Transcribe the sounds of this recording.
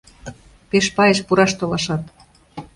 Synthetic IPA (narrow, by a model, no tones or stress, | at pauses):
peʃpɑjeʃpuɾɑʃt̪olɑʃɑt̪